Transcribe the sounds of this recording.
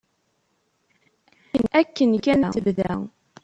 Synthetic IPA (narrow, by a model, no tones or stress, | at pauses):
ənækːənkænæəvðæ̰